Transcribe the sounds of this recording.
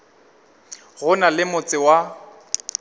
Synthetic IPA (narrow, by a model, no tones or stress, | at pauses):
ɣʊnalɪmʊt͡sʼɪwa